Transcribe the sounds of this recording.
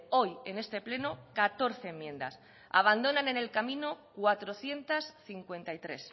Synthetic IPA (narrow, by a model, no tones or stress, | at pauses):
o̞je̞ne̞st̪e̞ple̞nokat̪o̞ɾθe̞ːmːjẽ̞nd̪a̰s | a̰β̞and̪o̞nane̞ne̞lkamĩnokwat̪ɾo̞θje̞nt̪asθiŋkwe̞nt̪ajt̪ɾe̞s